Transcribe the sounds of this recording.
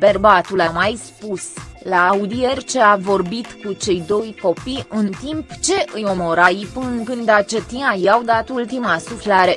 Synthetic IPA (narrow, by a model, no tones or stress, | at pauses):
b̥erbat̪ulamajspuslaːud̪ije̞rʲt͡ʃe̞avo̞rbit̪kut͡ʃe̞jd̪o̞jko̞piɨnt̪impt͡ʃe̞ʔɨjo̞mo̞ɾajpɨnkɨnd̪at͡ʃet̪inajawd̪at̪ult̪imasuflaɾe̞